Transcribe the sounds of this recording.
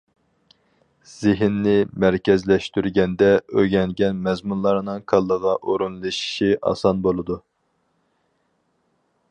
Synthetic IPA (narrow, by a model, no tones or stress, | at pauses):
z̥ɪɦnːɪmæɾkʲɛzlɛʃt̪yɾɡʲɛnd̪ɛøɡʲɛŋɡʲɛnmɛzmunlˠɑɾnɨŋkʰɑlˠːəʁɑʔoɾunlˠɨʃi̥ʃiʔɑ̰sɑnbolˠɨd̪u